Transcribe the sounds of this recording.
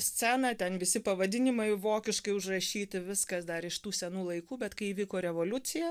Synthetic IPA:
sʲt͡ssʲænɐt̪ʲɛnʋʲɪsʲɪpɐʋɐd̪ʲɪnʲɪmɐɪʋoːkʲɪʃkɐɪʊʒrɐʃʲiːt̪ʲɪʋʲɪskɐsd̪ɐɾɪʃt̪uːsʲɛnuːlˠɐɪkuːbʲɛt̪kɐɪiːʋʲiːkoːɾʲɛʋoːlʲʊt͡s̪ʲɪjɛ

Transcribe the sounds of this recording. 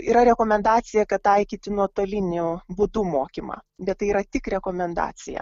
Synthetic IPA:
iːɾɐɾʲɛkoːmʲɛnd̪ɑːt̪sʲɪjɛkɐtt̪ɐɪkʲiːt̪ʲɪnuɔt̪oːlʲɪnʲʊbʊd̪uːmoːkʲimɑ̰ːbʲɛt̪t̪ːɐɪiːɾɐt̪ʲɪkɾʲɛkoːmʲɛnd̪ɑ̰ːsʲɪjɛ̰

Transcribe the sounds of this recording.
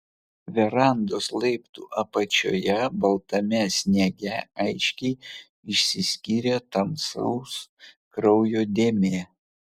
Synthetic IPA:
ʋʲɛɾɑˑnd̪oslˠɐɪpt̪ṵːʔɐpɐt͡ʃʲo̰ːjɛbɐlˠt̪ɐmʲɛsʲnʲɛɡʲɛɐɪʃʲkʲɛɪ | ɪʃʲsʲɪsʲkʲiːɾʲet̪ɐmsɐ̰ʊs | kɾɒʊjoːd̪ʲeːmʲeɛ

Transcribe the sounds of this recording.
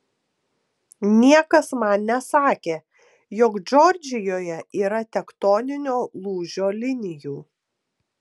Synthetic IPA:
nʲiɛkɐsmɐnnʲɛsɑːkʲeː | jɔkd͡ʒɔɾʲd͡ʒʲɪjoːjɛiːɾɐt̪ʲɛkt̪ɔːnʲɪnʲoːlˠuːʒʲoːlʲɪnʲɪjuː

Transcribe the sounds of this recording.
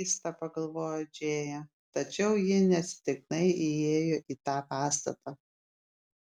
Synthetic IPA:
st̪ɐpɐɡɐlˠʋoːjod͡ʒʲeːjɛ | t̪ɐt͡ʃʲɛʊjɪnʲɛɐt̪ʲsʲɪ̥t̪ʲɪknɐɪɪeːjoʔiːt̪ɑːpɑːst̪ɐ̰t̪ɑ

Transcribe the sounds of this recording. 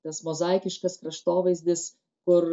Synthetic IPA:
t̪ɐsmozɐˑɪkʲɪʃkɐskɾɐʃt̪oːʋɐɪzʲd̪ʲɪs | kʊɾ

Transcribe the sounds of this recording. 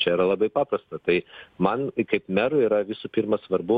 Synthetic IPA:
t͡ʃʲɛiɾɐlˠɐbɐɪpɑːpɾɐst̪ɐt̪ɐɪmɐnkɐɪpmʲɛɾʊiːɾɐʋʲɪsupʲiːrmɐsʋɐɾbʊ

